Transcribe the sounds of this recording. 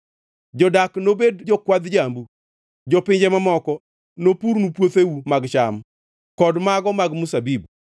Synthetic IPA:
d͡ʒɔdaknobedd͡ʒɔkwad̪d͡ʒambu | d͡ʒɔpɪɲd͡ʒɛmamɔkɔ | nopuɾnupwot̪ewumaɡt͡ʃam | kɔdmaɡɔmaɡmusabib

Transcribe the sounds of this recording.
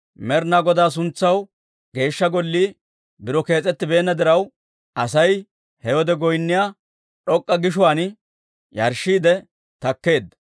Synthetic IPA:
mɛɾnaːɡɔd̪aːs̬ʊnt͡sːɐw | ɡe̞ːʃːɐɡɔlːiː | bɪɾɔke̞ːt͡sʼɛt̪ːɪbe̞ːnːɐd̪ɪɾɐw | ʔɐsɐj | hɛwɔd̪ɛɡɔjnːɪjaː | ᶑɔkʼːɐɡɪʃ̬ʊwaːn | jɐɾʃːiːd̪ɛ | t̪ɐkːe̞ːd̪ɐ

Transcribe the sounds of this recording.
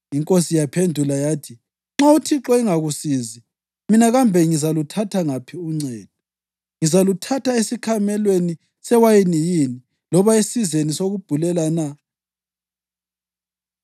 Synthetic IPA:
iŋkʼosijapʰendʱulajaːtʰi | ŋ͡ǁautʰiǁɔiŋaɣusiːzi | minaɣambʱɛŋizalutʰatʰaŋapʰiuŋ͡ǀɛːd̥̚ʱɔ | ŋizalutʰatʰaesikʰamɛlweni | sɛwajinijiːni | lɔβaesizenisoɣub̥ʱulɛlana

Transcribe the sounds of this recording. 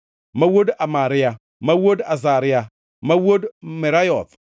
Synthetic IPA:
mawodamaɾia | mawodazaɾia | mawodmeɾajɔθ

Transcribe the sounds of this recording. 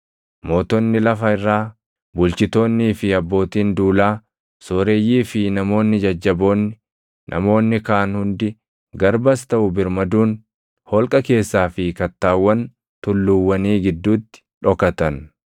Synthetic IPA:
mo̞ːt̪ɔnːɪlɐfɐɪrːaː | bʊlt͡ʃɪt̪o̞ːnːiːfɪɐbːo̞ːt̪iːnd̪uːlaː | so̞ːɾe̞ːjːiːfɪnɐmo̞ːnːɪd͡ʒɐd͡ʒːɐbo̞ːnːɪ | nʔɐ̰mo̞ːnːɪkaːnhʊnd̪ɪ | ɡɐɾbɐst̪ɐʔʊbɪɾmɐd̪uːn | hɔlkʼɐke̞ːsːaːfɪkɐt̪ːaːwːɐn | t̪ʊlːʊwːɐniːɡɪd̪ːuːt̪ːɪ̥ᶑɔkɐt̪ɐn

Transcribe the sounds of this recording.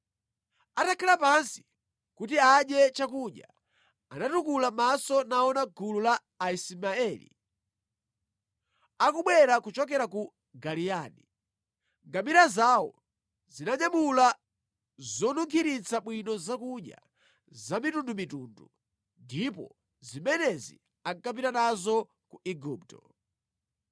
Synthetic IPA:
atakʰɛlapansi̥ | kutiaɗɛt͡ʃakuʄa̰ | anatukulamasɔnaɔnaɡululaː | ismaɛlḭ | akuɓwɛɾakut͡ʃɔk̬ɛɾaku | ɡalijaːni | ŋɡamiɾazaːwɔ̰ | zinaɲamula | zɔnuŋkʰiɾit͡saɓwinɔzakuɲa̰ | zamitundumitundu | ndipɔ̰ | zimɛnɛzḭ | aŋkap̬itanazɔ | kuʔiɡuːp̚tɔ

